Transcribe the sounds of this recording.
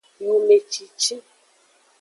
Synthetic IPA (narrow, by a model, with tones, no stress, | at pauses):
ju˨me˨t͡ʃi˨t͡ʃi˦